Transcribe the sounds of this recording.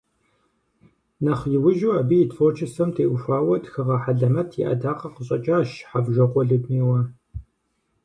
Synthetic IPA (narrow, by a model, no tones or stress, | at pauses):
nɐχjɪwʊʒuːɐbiːjɪtfoːt͡ʃʰɪsɐmtʰeːʔʷʊʃʷaːwɐdxɨʁɐħaɮɐmɐtʰjḭʔɐ̰daːqɐqəɕʼɐt͡ʃʼaːʃħavʒɐqʷɔɮɨdniːwɐ